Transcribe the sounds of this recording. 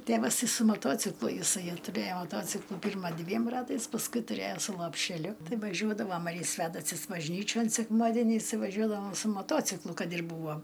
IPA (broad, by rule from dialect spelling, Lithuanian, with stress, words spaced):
ˈtʲeːʋɐs ˈtɐɪ sʊ mɐˈtoːt͡sʲɪklˠʊ jɪˈsɐɪ tʊˈrʲeːjoː mɐˈtoːt͡sʲɪklˠʊ ˈpʲɪrmɐ ˈdʲʋʲiɛm ˈrɑːtɐɪs pɐsˈkʊɪ tʊˈrʲeːjoː sʊ lˠoːpʲʃʲɛˈlʲʊ ˈtɐɪ ʋɐˈʒʲuɔdɐʋoːm ɐr ɪ ˈsʲʋʲæːdɐsʊs bɐʒʲˈnʲiːt͡ʃʲoːn sʲɛkˈmɑːdʲɛnʲɛɪs ˈtɐɪ ʋɐˈʒʲuɔdɐʋoːm sʊ moːˈtoːt͡sʲɪklˠʊ ˈkɐt ɪr ˈbuːʋoː